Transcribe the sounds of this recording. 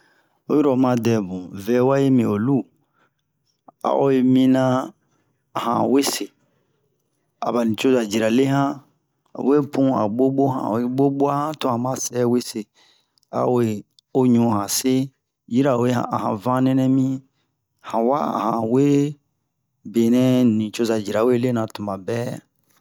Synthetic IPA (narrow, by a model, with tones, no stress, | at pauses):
o˦ji˦ɾo˨mã˦dɛ˨bũ˨vɛ˨˦wa˦je˦mĩ˨o˨lu˦ | a̰˨ʔo̰˦e˧mĩ˦nã˦˨ | hã̰˨we˦se˨ | a̰˨ba˨nĩ˨t͡ʃo˦za˨d͡ʒi˨ɾa˨le˦ɦã̰˦˨ | we˦pʰũ˦a̰˨ɓo˦ɓo˦ɦã̰˨o˨˦ɓo˦ɓo˦a˦hã˦tõ˦ã˨mã˦sɛ˦we˦se˨ | a̰˨we˨ | o˦ɲũ˦hã˨se˦ | ji˦ɾa˨we˦ha̰˨hã̰˨vã˦nɛ̃˦nɛ̃˦mĩ˦ | hã˨wa̰˦a̰˨hã˨we˦ | be˨nɛ̃˦nĩ˨t͡ʃo˦za˨d͡ʒi˨ɾa˨we˦le˦nã˨tũ˨mã˨bɛ˦